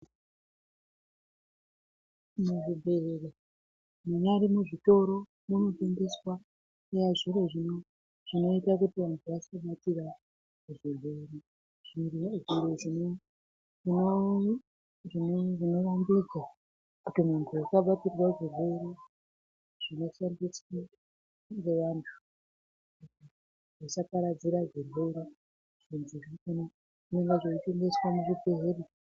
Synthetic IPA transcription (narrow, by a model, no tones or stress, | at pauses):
muʐibʱeele | muɲaɾimuʐito̞ɾo̞ | muno̞tendeswa | ejaʐiɾeʐino | ʐ̥ino̞itakutiʋantʰuʋasaɓatira | kuʐibʱeɾe | ʐirʐiɾeʐino | ino | ʐinʐino̞rambid͡za | kutimuntʰujakaɓatirwaʐiro̞ɾi | ʐ̥ino̞ʃandiswa | ŋɡeʋantʰu̥ | kuti | ʐisapaɾad͡ziɾaʐiroɾi | ʐ̥inziɾiun | uneŋɡeʐoiteŋɡe̞swamuʐibeɦeri